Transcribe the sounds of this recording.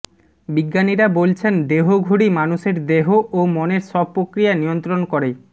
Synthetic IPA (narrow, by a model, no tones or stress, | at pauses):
biɡːaniɾabolt͡ɕʰend̪eɦoɡʱuɽimanuʃeɾd̪eɦoʔomoneɾʃɔb̚pːɾokɾijanijont̪ɾonkɔɾe